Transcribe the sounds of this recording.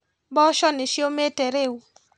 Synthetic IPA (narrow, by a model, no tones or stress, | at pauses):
bɔʃɔnɪʃjometeɾewu